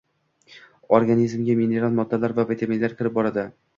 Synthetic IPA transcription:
oɾɡanizmɡʲamine̞ɾalˠmɒd̪ːalaɾvavet̪ʰeminlaɾkʲɪɾɪp̚bɒɾad̪ɪ

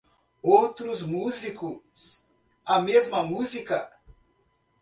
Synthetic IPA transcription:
owt̪ɾʊzmuzikʊs | ɐmezmɐmuzikɐ

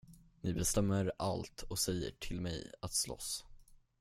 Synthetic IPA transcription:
nɪbɛst̪ɛmːəɾalt̪ʰɔsɛjːə̰ʈʰɪlmɛjat̪slɔ̰s

